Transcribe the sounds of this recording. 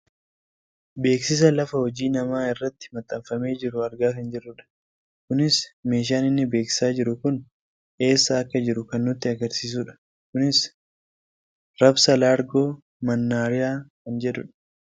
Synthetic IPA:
be̞ːksɪs̬ɐlɐfɐhɔd͡ʒiːnɐmaːɪrːɐt̪ːɪ̥mɐt̪ʼːɐmfɐme̞ːd͡ʒɪɾʊɐɾɡaːkɐnd͡ʒɛrːʊᶑɐ̥ | kʊnɪsme̞ːʃ̬aːnɪnːɪbe̞ːksɪ̥saːd͡ʒɪɾʊkʊn | ʔe̞ːsːɐːkːɐd͡ʒɪɾʊkɐnːʊt̪ːɪɐɡɐɾsiːs̬uːᶑɐ̥ | kʊnɪs | ɾɐbsɐlaːɾɡo̞ː | mɐnːaːɾɪjaːkɐnd͡ʒɛᶑ̪ʊᶑɐ̥

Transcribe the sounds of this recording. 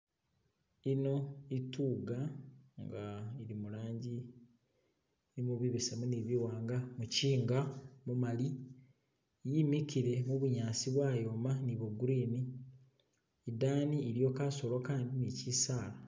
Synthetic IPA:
ino̞ituːɡaŋɡaiɾimulaːɲɟi | nimuβiβisemuniβiwaːŋɡamuciːŋɡamumali | jimikiɾe̞muβuɲaːsiβwaːjo̞ːmaniβoɡuɾiːni | idaːniiɾjo̞ːkaːso̞lwokaːndinicisaːla

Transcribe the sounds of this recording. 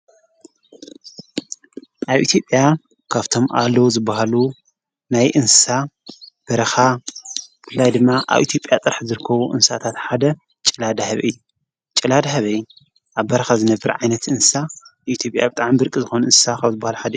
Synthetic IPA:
ʔaβʔḭt̪ʰjo̞pʼja | kʰaβt̪ʰo̞mʔalːɐwuzɨbːahalu | najʔɨnsɨ̥sab̥ɐɾɐxa | bɨflːajd̪ɨmːaʔa̰βʔit̪ʰjo̞pʼjat̪ʼɨɾħzɨɾɨkʰːɐβuʔɨnsat̪ʰat̪ħad̪ɐ | t͡ʃʼɨlad̪ɐhɐβʔɨ̰jːu | t͡ʃʼɨlad̪ɐɦɐβɐjːu | ʔaβbɐɾɐxazɨnɐbɨɾʕajnɐt̪ɨnsɨ̥saʔit̪ʰjo̞pʼja̰bɨt̪ʼaʕmibɨɾkʼizɨxonɨnsɨ̥sakʰaβzɨbːahaluħad̪ɐju

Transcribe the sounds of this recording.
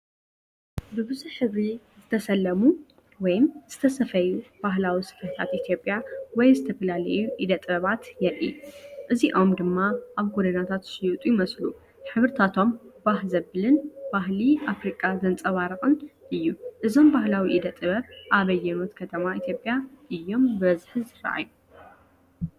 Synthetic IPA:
bɨβɨzuħɨβɾi | zɨt̪ʰɐsɐlːɐmu | wɔjmz̥ɨt̪ʰɐsɐfɐjub̥aɦlawisɨ̥fɐht̪ʰa̰t̪ʔit̪ʰjo̞pʼjawɔjzɨt̪ʰɐfɐlalɐ̰juʔid̪ɐt̪ʼɨβɐβat̪jɛʔʔiʔɨziʔo̞md̪ɨmːaʔaβɡod̪ɐnat̪ʰat̪ʃjut̪ʼujimɐslu | ħɨβɨɾt̪ʰat̪ʰo̞mbaɦzɐβɨlɨnb̥aɦliʔafɾikʼazɐnt͡sʼɐβaɾɨxʼɨnʔɨjːuʔɨzo̞mbahlawiʔid̪ɐt̪ʼɨβɐβʔaβɐjːɛno̞t̪kʰɐt̪ʰɐmait̪ʰjo̞pʼːjaʔɨjːo̞mbɨβɐzħzɨra̰ʔa̰ju

